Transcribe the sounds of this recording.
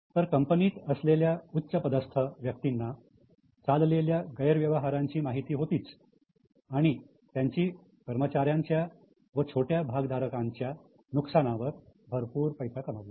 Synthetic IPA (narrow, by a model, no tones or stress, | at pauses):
t̪əɾkəmpəniːt̪əsleljautːɕəpəd̪əst̪ʰəʋjək̚t̪inːa | t͡salleljaɡəjəɾʋjəʋəɦaɾaɲt͡ɕiːmaɦit̪iːɦot̪iːt͡s | aɽ̃i | t̪jaɲt͡ɕiː | kəɾmət͡ɕaɾjaɲt͡ɕja | ʋət͡ɕʰoʈjabʱaɡd̪ʱaɾəkãɲt͡ɕja | nuksaɽ̃ãʋəɾbʱəɾpuːɾpəjsʰakəmaʋlei